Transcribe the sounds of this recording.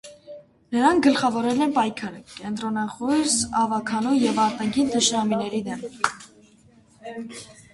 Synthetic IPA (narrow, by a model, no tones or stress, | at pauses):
nəɾɑŋk̚ʰɡəlχɑvɔɾɛlɛnpɑjkʰɑɾəkɛnt̪ɾɔnɑχujsɑvɑkʰɑnujɛvɑɾt̪ɑŋkʰint̪əʃɾɑminɛɾid̪ɛm